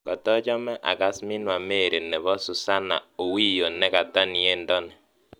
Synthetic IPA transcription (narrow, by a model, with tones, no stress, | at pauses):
kɔ˨tɔ˦t͡ʃɔ˦mɛ˦ʔa̰˨ka˨smɪ˦nwa˨me˦˨ɾe˨nɛ˨βɔ˦su˨sa˦na̰˨o˨wi˦jo˨nɛ˦ka˨tɔ˦ni˨e˦ndɔ˦nɛ˨